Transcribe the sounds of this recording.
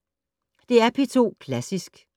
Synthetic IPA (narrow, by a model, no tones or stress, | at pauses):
d̥e̝æɐpʰe̝t͡sʰo̝̰ːkʰlæsisɡ̥